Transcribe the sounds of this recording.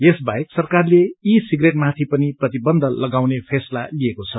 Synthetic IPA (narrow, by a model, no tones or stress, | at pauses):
jesbajeksʌrkarleisiɡreʈ̚mat̪ʰipʌniprʌt̪ibʌnd̪ʱʌlʌɡawnepʰesla̰liekot͡sʰʌ